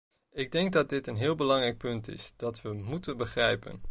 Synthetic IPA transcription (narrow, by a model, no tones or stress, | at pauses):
ɪɡ̚dɛŋɡ̚dɑd̚dɪtənɦɪːlˠbəlɑŋrɛjk̚pɵntɪ̰sd̥ɑtʋəmutənbəχrɛjpə̰n